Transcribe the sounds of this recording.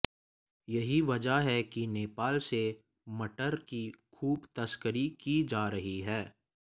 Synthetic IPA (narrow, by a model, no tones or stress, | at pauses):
jɐɦiʋɐd͡ʒaɦɛkineːpaːlse | mɐʈəɾkixʰuːbt̪ɐskəɾikid͡ʒaːɾɐɦiɦɛː